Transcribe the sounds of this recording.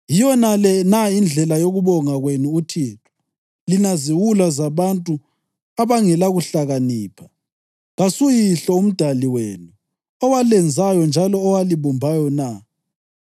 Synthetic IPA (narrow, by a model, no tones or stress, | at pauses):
jijɔnalɛnaind͡ɮʱɛlajoɣuβɔŋaɣwenuutʰiːtʰɔ̥ | linaziwulazaβantʼu | aβaŋɛlaɣuɬaɣaniːpʰḁ | ɣasujiɬɔum̩d̥ʱaliwḛːnu | ɔwalɛnd͡zʱajɔnd͡ʒʱalɔːwaliβɔmbʱajɔna